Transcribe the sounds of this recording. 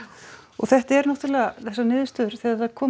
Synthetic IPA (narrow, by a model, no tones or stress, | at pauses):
ɔ̰ɣθɛht̪aɛɾnɔht̪ʏɾlɛːɣaθɛsːanɪːðʏst̪ʏðʏɾ̥θiaakʰɔː